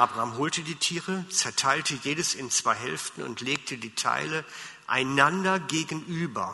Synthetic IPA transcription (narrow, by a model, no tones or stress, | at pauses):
ʔaːbʁaːmɦoːltədiːtʰiːʁət͡sɛɐtʰaɪltʰəjeːdəsɪnt͡sv̥aɪɦɛ̰lftn̩ʊ̰ntʰleːk̚tʰədiːtʰa̰ɪləʔa̰ɪnandɐɡeːɡn̩ʔyːbɐ